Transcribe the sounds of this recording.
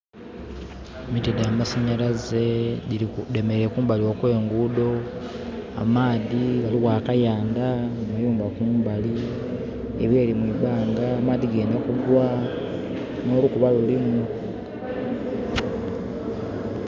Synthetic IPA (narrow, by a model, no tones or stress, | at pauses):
emitideamasaɲalaze | demeɾekuːmbaliwo̞kwe̞ːŋɡudo̞ | a̰maːðiβaliwaːkajaːndaomujuːmbakuːmbali | eβje̞ːlimwiːβaːŋɡaːmaːðiɡe̞ːndakuɡwa | no̞ːlukuβalulimu